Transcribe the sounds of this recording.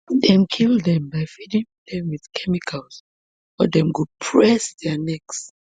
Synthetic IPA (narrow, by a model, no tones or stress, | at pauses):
dɛ̃mkʰilˠdɛ̃mbaɪfidĩŋd̪ɛ̃mwið̥kʰɛmikʰalˠz | ɔ̰dɛ̃mɡud̚pʰɹɛsðɛnɛks